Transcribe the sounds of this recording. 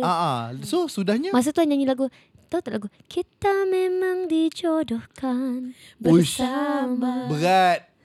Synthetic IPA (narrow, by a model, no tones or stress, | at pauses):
aʔasosudahɲamas̬at̪uaɲaɲĩlaɡu | t̪aut̪aʔlaɡukit̪amemãŋdid͡ʒɔdɔhkanbəʃababəɾat̪̚